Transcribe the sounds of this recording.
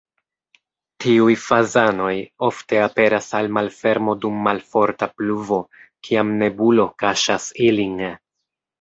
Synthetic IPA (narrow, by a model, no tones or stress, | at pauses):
tʰiujfazano̞jo̞fte̞ape̞ɾasalmalfe̞ɾmo̞dumːalfo̞ɾtapluvo̞kʰiamne̞bulo̞kaʃasiliŋ